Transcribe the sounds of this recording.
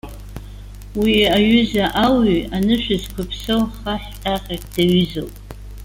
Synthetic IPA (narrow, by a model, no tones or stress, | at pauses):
wiaɥʏzaʔawianɨʃᶣɨzkʷʰʊpʰsɨwχaħtʼaqʲʼekʼd̥aɥzowpʼ